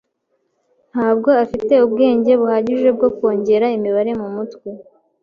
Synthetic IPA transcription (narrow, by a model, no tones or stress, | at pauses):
n̥haːb̚ɡo̞afite̞ubɡe̞ːɲɟe̞βuhaɟiʒe̞b̚ɡo̞kwo̞ːɲɟe̞ɾaimiβaɾe̞mumutwi